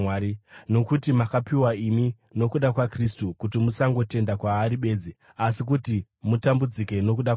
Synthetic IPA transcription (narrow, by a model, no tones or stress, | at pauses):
aino̞kutimakapiwaimi | no̞kuɗakwakristukutimusaŋɡo̞te̞ndakwaːɾiɓe̞ːd͡zi | asik̬uti | mutambud͡zike̞no̞kuɗa